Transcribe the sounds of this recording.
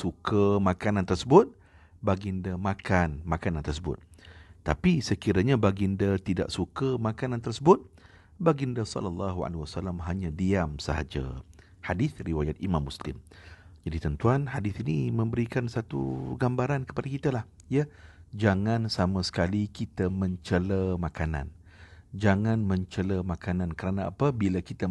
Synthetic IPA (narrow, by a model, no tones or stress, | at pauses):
sukəmãkanant̪ərsəbʊt̪̚ | baɡindəmakʰanmakanant̪ərsəbʊ̰t̪̚ːapisəkiɾaɲãbaɡindat̪ida̰ʔsukəmakanant̪ərsəbʊt̪̚ | baɡindəsɔ̰ləlːaɦua̰lewasalamɦaɲãdiamsəɦa̰d͡ʒa̰ | hadɪθriwajat̪̚imãmːuslɪ̰md͡ʒadit̪ənt̪uanhadiθinimə̃mbəɾikansat̪ṵɡambaɾankə̥padakit̪alah | jad͡ʒaŋãnsamãsə̥kalikit̪amə̃ɲt͡ʃələmakana̰n | d͡ʒaŋanmə̃ɲt͡ʃələmakanãnkəɾanaa̰pabilakit̪a